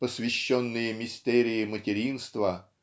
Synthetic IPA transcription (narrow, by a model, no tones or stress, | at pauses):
pəsʲvʲɪɕːonːɨjəmʲɪsʲt̪ɛɾʲɪjɪmətʲɪɾʲinst̪və